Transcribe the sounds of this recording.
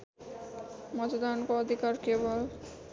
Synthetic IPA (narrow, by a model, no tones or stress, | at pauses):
mɔd͡ʑod̪ankoɔd̪ʱikaɾkebol